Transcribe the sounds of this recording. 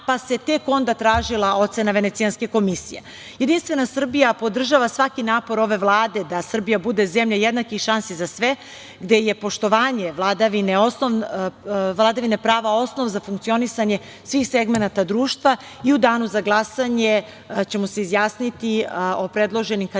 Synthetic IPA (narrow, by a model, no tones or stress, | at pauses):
pase̞t̪e̞ko̞nd̪at̪ɾaːʒilˠao̞t̪se̞naʋenet̪sianske̞ko̞misije | jed̪inst̪ʋe̞nasr̩bijapo̞d̪r̩ʒaʋasʋakinaːpo̞ɾo̞ʋe̞ʋlˠaːd̪e̞d̪asr̩bijabud̪e̞zemʎajed̪nakixʃansizasʋe̞ | ɡd̪e̞je̞po̞ʃt̪o̞ʋaːɲeʋlˠad̪aʋineo̞snoʋ | ʋlˠad̪aʋinepɾaːʋao̞sno̞ʋzafuŋkt̪sio̞nisaɲe | sʋiːxse̞ɡme̞nat̪ad̪ɾuːʃt̪ʋa | iud̪aːnuzaɡlˠasaɲe̞ | t͡ɕe̞mose̞izjaːsnit̪io̞pɾe̞d̪lˠo̞ʒenimk